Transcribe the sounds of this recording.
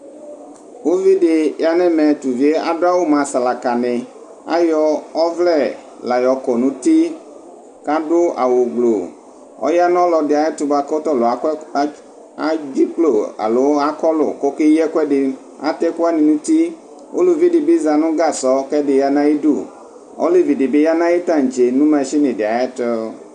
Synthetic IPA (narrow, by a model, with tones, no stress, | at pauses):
wo˦vi˦ɖɪ˨ja˨nɛ̃˦mɛ̃˨t̪u˨vi˨˦e˦a˨ɖo˦a˦wo˦mã˨sa˨la˨ka˨nɛ̃˨ | a̰˦jɔ˨ɔ˦vlɛ˦˨ | la˨jɔ˨kɔ˨nũ˨˦t̪i˦ | ka˦ɖo˦a̰˨wo˨ɡ͡blo˨ | ɔ̰˦ja˦nɔ̃˦lɔ˨dɪ˨a˨e˦t̪u˨ba˨ko˦t̪ɔ˦lo˨˦ | a˦d͡ʒi˦k͡plo˦˨a̰˨lo˦a˦kɔ˦lo̰˨ko˦ke˦ɛ˦kʷɛ˦dɪ˨ | a̰˦t̪ɛ˦ku˦a˦nĩ˨nũ˦t̪i˦ | wo̰˦lu˨vi˦di˨bi˦za˨nũ˦ɡa˦˨sɔ˦kɛ˦dɪ˨ja˦nã˦ji˦du˦˨ | ɔ̰˦le˦vi˨di˨be˦ja˦nã˦ji˦t̪ã˦˨ŋ˨d͡ʒe˨nũ˦mɛ̃˨ʃi˦nẽ˨dɪ˨a˨ja˦t̪ɔ˦